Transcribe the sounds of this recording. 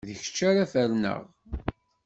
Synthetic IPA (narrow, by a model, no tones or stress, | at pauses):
ðəçə̥t͡ʃːaɾafəɾnə̰ʁ